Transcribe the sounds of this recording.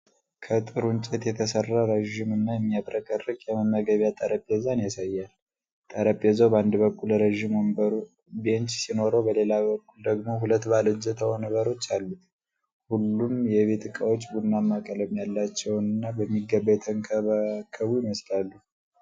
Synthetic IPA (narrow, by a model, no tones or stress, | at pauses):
kʰət̪ʼɨɾunt͡ʃʼɛt̪jɛt̪ʰəsərːaɾəʒɪmɨnːajɛmːijaβɾəkʼərːɨkʼjɛməmːəɡəβjat̪ʼəɾəpʼjezanjasajːal | t̪ʼəɾəpʼːjezowband̪bəkʼːulɾəʒimb | be̞nt͡ʃsino̞ɾəwbəle̞laβəkʼːuld̪əɡmo̞ɦulət̪ːbalɨd͡ʒːɛt̪ʰəhonəβəɾo̞t͡ʃːalːut̪ | hulːumjɛβe̞t̪ʰɨkʼəwo̞t͡ʃːbudnːamːakʼələmːijalːat͡ʃːɛwnɨnːabəmːiɡːəbːət̪ʰəŋkʰəβakʰːəβuiməslalːu